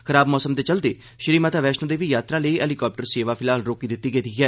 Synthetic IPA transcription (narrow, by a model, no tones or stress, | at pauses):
kʰəɾaːbmɔːsəmd̪eːt͡ʃəld̪eː | ʃɪɾiːmaːt̪aːʋɛːʃnõːd̪eːʋiːjaːt̪ɾãːləiːʔɛːlikɔːp̚ʈəɾseːʋaːpʰɪlaːlɾoːkiːd̪ɪt̪ːiːɡed̪iːɦɛː